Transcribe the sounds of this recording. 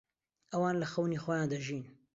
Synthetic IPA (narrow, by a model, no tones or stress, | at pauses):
ʔɐwaːnlɐxɐwniːxojaːnd̪ɐʒiːn